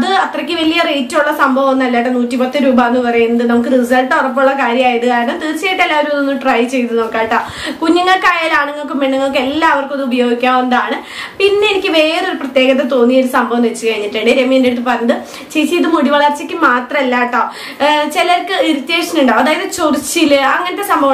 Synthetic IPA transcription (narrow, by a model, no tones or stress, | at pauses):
ɐðɨɐt̪rɐkʲːɨʋɐlijɐrejtːuɭːɐsɐmbʱɐʋɐmonːɨɐlːaːjʈːɐnuːtːipɐt̪ːɨɾuːbaːnːɨpɐrɐjunːɐðɨnɐmukːɨriɨːsaːjʈːorɐp̬ːoɭːɐkaːɾjɐmaːjɐt̪ːɨkaːɾɐnɐmt̪iːrt͡ɕejiʈːelːaːʋoɾumnonːɨʈrɐjt͡ɕe̞jt̪unɐmukːaːjiʈːa | kuɲːɐŋːɐɭkaːjaːlaːɳeŋːɐɭkːɨmːeɳːɨŋːɐɭkːɨelːaːɐʋɐrkonːɨubɐjo̞ːɡikʲːaːmenɐd̪aːɳɨ | pinːeenikʲːɨʋe̞ːro̞ɾuprɐt̪je̞ːɡɐt̪̬ːet̪o̞ːnːijɐoɾusɐmbʱɐʋɐmʋet͡ɕːɨkɐɻiɲːiʈːeɳɖɨɾemeːndeɽt̪̬ːɨpɐrɐjnːɐðɨ | t͡ɕejt͡ɕːejt̪ːɨmuɽiʋɐɭɐrt͡ɕikʲːɨmaːt̪rɐmelːaːjʈːoː | t͡ɕelɐrkɨiɾut̪ːjeːʂɐnuɳɖaːɐðaːjɐðɨt͡ɕorit͡ɕːilɨɐŋːɐnɐtːe̞sɐmbʱɐʋɐ